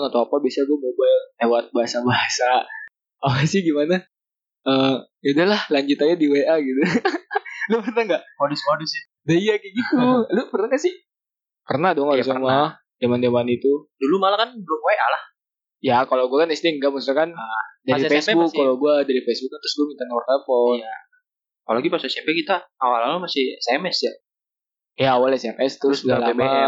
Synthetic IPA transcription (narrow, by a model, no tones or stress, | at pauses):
nat̪awapabiasaɡuamobajllewat̪̚baɦasabaɦasa | apasɪhɡimana | ə | adalahlaɲd͡ʒut̪aɲadiweʔaɡit̪u | lupərnaŋɡamodʊsmodʊsɪ | daijakɛɡit̪ulʊpərnaŋɡasɪh | kərnadɔŋasama | demandemanit̪udulumalakanbəlumoɛʔa̰lah | jakaloɡuakanist̪ɪŋɡaməsakandaɾifesbʊkːaloɡuadaɾifesbʊk̚ːant̪ɾʊsɡuamint̪anwɔrt̪apɔa | kalaɡipasasapɛkit̪aawalalumasɪhsɛmɛsja | jaːwalɛsɛmʔɛst̪ɾʊɾʊsudalama